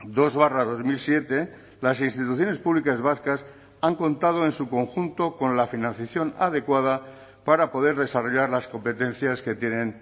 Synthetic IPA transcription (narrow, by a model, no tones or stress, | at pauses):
d̪o̞zβaraðo̞zmilsje̞t̪e̞ | lasinst̪it̪uθjo̞ne̞spuβlikazβaskas | aŋko̞nt̪að̞o̞ensuko̞ŋxunt̪oko̞nlafinãn̟θjaθjo̞nað̞e̞kwað̞a | paɾapo̞ð̞e̞ɾðe̞saro̞ʎaɾlasko̞mpe̞t̪ẽ̞n̟θjaske̞t̪je̞nẽ̞n